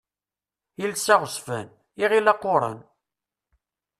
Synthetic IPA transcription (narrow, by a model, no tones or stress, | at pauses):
ilsæʁəsfæn | iʁilɑqːoɾˤɑ̰n